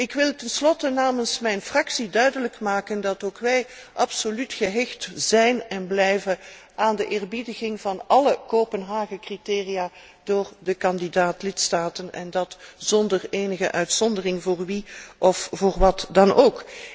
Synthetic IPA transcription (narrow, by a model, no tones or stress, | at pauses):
ɪkʋɪlˠtɛnslɔtənaːmənsmɛjnfrɑksidœɥdələkmaːkəndɑtoːkʋɛjʔɑpsolytxəɦɛxtzɛjnɛnblɛjvəʔaːndəʔɪːrbidəɣɪŋvɑnɑləkoːpənɦaːɣəkritɪːrijaː | d̥ʊːrdəkɑndidaːtlɪtstaːtənɛ̰ndɑtz̥ɔndəreːnəɣəʔœɥtsɔndərɪŋvʊːrʋiʔɔfvoːrʋɑtdɑnoːk